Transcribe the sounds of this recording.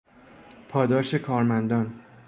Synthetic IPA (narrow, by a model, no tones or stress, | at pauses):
pʰɒːd̪ɒːʃe̞kʰɒːɾmænd̪ɒːn